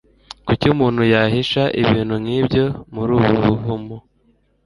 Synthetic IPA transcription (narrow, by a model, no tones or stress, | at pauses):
kucumuːn̥hujaɦiʃaʔiβiːnhumŋiːbjo̞muɾuːβuβuɦumo